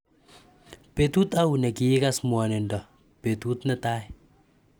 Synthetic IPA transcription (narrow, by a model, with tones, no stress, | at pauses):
pe˨t̪u˦t̪a˦u˨nɛ˨kɪ˨ɪ˦ka˦smwɔ˨nɪ˨ndɔ˨ | pe˨t̪u˦t̪nɛ˦ta˦ɪ